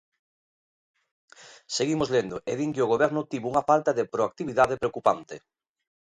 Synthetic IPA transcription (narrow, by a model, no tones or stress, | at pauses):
seɣimozlend̪ʊeðiŋkɪoɣoβɛɾnʊt̪iβuŋafalt̪aðɪpɾoak̚t̪iβiðaðepɾeokupant̪e